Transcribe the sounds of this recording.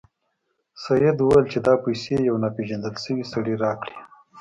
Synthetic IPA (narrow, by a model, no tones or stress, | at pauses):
sajɪd̪uwajəlt͡ʃed̪ɑpajsejawnapeʒand̪əlsəwisaɽiɾɑkɽi̥